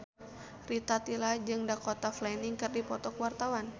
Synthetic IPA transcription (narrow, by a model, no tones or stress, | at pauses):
rit̪at̪ilad͡ʒɨŋdakɔt̪aflainiŋkɨrdipɔt̪ɔkwart̪awan